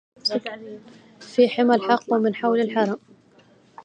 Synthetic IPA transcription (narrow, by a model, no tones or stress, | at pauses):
fiːħɪmalħɑqːwmɪnħawlalħɑɾˤɑm